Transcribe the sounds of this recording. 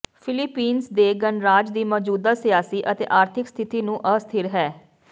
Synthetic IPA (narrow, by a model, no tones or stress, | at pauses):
pʰɪlɪpiːnsd̪eːɡənɾaːd͡ʒd̪iːmɔːd͡ʒuːd̪aːsijaːsiːʔət̪ḛːʔaːɾt̪ʰɪkst̪ʰɪt̪iːnũːʔəst̪ʰɪɾɦɛː